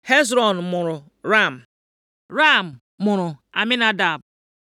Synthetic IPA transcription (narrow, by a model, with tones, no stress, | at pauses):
he˦zɾɔ˨n˨mʊ˨ɾʊ˨ | ɾa˦˨m̩˨ | ɾa˦˨m̩˨ | mʊ˨ɾʊ˨a̰˨mɪ˦na˦da˨b̚